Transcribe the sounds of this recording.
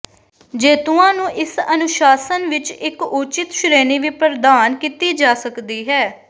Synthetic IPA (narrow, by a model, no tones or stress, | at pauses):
d͡ʒeːt̪ʊãːnũːʔɪsənʊʃaːsənʋɪt͡ʃɪkʊt͡ʃɪt̪ʃʊɾeːniːʋiːpəɾd̪aːnkit̪iːd͡ʒaːsəkd̪iːɦɛː